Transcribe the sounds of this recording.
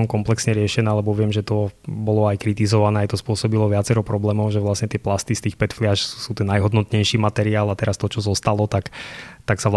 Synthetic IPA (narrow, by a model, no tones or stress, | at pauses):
ɔmkɔmplɛksɲɛɾɪɛʃɛnɛːlɛbɔʋɪɛmʒɛt̪ɔbɔlɔajkɾit̪izɔʋanɛːajt̪ɔspʊɔsɔbilɔʋɪatt͡sɛɾɔpɾɔblɛːmɔʊʒɛʋlasɲɛt̪ɪɛplast̪ist̪iːxpɛt̪flɪaʃusuːt̪ɛnːajɦɔd̪nɔt̪ɲɛjʃiːmat̪ɛɾiaːlat̪ɛɾast̪ɔt͡ʃɔzɔst̪alɔt̪akt̪aksaʋl